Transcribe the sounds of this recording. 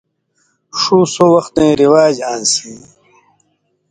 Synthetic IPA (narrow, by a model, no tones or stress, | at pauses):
ʂuːsowɐxt̪ẽːɾiwaːd͡ʑaːnsĩ